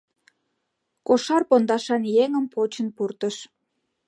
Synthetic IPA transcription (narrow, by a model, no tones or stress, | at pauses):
koʃɑrpond̪ɑʃɑnjeŋəmpʰot͡ɕənpurt̪əʃ